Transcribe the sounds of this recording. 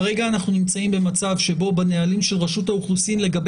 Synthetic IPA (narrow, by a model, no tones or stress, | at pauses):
eɡaːnaχnunimt͡saimbe̞mat͡savʃe̞bo̞banealimʃe̞lʁaʃutauχlusimle̞ɡab